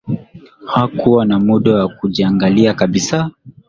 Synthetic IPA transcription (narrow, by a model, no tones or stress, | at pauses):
hakuwanamuɗawakuʄiaŋɡaliakaɓisa